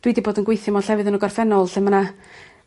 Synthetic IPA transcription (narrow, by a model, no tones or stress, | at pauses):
d̥widiboːdənɡwejθɪmɔɬɛvɨðənəɡɔrfɛnɔlˠɬɛməna